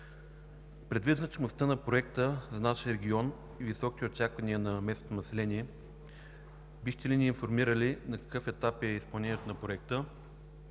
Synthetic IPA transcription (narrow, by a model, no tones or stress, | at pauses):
pɾɛd̪viznət͡ʃmost̪ənɐpɾoɛk̚t̪əzɐnaʃijəɾɛɡʲiɔn | ivisɔki̥t̪ɛot͡ʃakvɐniənɐmɛsnot̪onɐsɛlɛniɛ | bixt̪ɛliniːnfoɾmiɾəlinɐkɐ̥kɤfɛt̪apɛispɐlˠnɛnʲiɛt̪onɐpɾoɛk̚t̪ə